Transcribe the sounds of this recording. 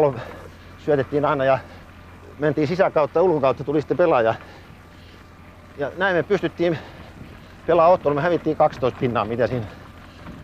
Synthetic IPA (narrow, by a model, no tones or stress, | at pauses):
lo | syæt̪et̪ːiːnɑinɑjɑ | mænt̪iːnsisækɑut̪ːɑulkokɑut̪ːɑt̪ulist̪ːepelɑjɑ | jɑnæimeppyst̪yt̪ːiːm | pelɑːot̪ːolmɑhæʋit̪ːiːkɑkst̪oist̪̚pinːɑ̰ːmit̪æsiːn